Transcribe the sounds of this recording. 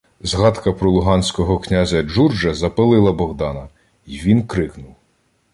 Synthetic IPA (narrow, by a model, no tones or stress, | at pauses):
zɦɑt̪kɐpɾɔlˠʊɦɑnʲsʲkɔɦɔknʲazʲɐd͡ʒurd͡ʒɐzɐpelˠɪlˠɐbɔɦd̪ɑnɐ | iʋʲinkɾɪknʊw